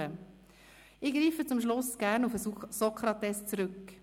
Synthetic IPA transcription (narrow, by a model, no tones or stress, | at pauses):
ə | ɪɡɾiːfət͡sʊmʃlʊsɡ̥æːɾnufəsɔkχɾɑt̪ɛst͡sɾʏk